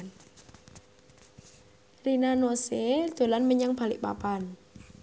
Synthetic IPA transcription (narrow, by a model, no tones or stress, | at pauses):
n | rinanosed̪̥o̤lanməɲaŋb̥a̤lɪ̰ʔpa̰pan